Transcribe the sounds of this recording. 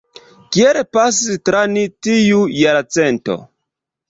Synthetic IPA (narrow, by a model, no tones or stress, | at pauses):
kielpas̬istɾanitijujaɾat͡sento̞̰